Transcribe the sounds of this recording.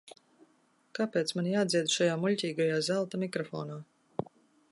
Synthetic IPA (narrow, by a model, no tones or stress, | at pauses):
kapʲeːt̪smanijaːd̪ziɛd̪uʃajaːmulʎʲcʲiːɡajaːzælˠt̪amʲikɾɔfɔ̰ːnaː